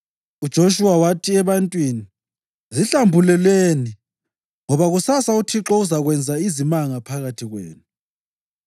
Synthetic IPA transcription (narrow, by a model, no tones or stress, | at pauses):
ud̥ʒ̥ʱoʃuwawatʰiɛβantʼwini | ziɬambʱulɛlweni | ŋɔβaɣusasautʰiǁɔuzaɣwɛnd͡zʱaizimaŋapʰaɣatʰiɣwḛːnu